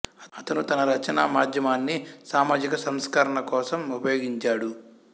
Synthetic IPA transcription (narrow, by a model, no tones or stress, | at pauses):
ɐtɐt̪ɐnut̪ɐnɐɾɐt͡ʃɐna̰ːmaːd̪ʱjɐmaːnːisaːmaːd͡ʒikɐsɐmskaɾɐɳɐkɔːsɐmupɐjoːɡiɲt͡ʃaːɽu